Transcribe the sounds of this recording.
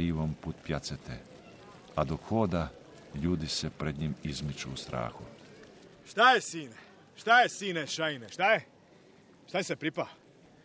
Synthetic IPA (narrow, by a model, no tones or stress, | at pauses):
iʋompuːt̪pjat̪set̪e | ad̪okxoːd̪a | ʎuːd̪isepɾed̪ɲimizmit͡ʃuːst̪ɾa̰ːxu | ʃt̪ajesiːne | ʃt̪ajesiːneʃaineʃt̪aje | ʃt̪aesepɾipa